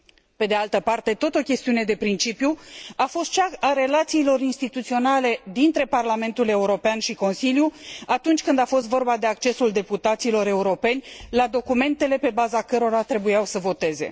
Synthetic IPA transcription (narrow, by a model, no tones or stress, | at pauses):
pe̞d̪ealt̪əpart̪e̞t̪ot̪o̞kʲe̞st̪iune̞d̪e̞pɾint͡ʃipjuafo̞st̪̚t͡ʃakaɾe̞lat̪siːlo̞ɾinst̪it̪ut̪sio̞nale̞d̪int̪ɾe̞parlame̞nt̪ule̞uɾo̞peanʃiko̞nsiljuat̪unt͡ʃʲkɨnd̪afo̞st̪vo̞rbad̪e̞ak̚t͡ʃe̞suld̪e̞put̪at̪silo̞ɾe̞uɾo̞pe̞nʲlad̪o̞kume̞nt̪e̞le̞pe̞bazakəɾo̞ɾat̪ɾe̞bujawsəvo̞t̪e̞ze̞̰